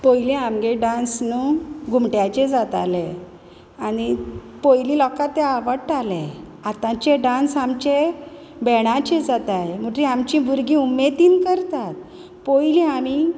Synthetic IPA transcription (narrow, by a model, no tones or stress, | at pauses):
pojliamɡeɖãnsnuɡʱumʈjat͡ɕed͡zat̪ale | ani | pojlilɔkat̪ːeaʋəɽʈalẽ | at̪ãt͡ɕeɖãnsamt͡ɕe | bɛɽ̃ãt͡ɕed͡zat̪ajm̤əʈɾiamt͡ɕĩbuɾɡĩumet̪iːnkəɾt̪at̪̚ | pojliami